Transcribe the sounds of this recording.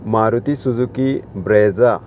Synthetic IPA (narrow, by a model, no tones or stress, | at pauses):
maɾut̪isuzukibɾeːza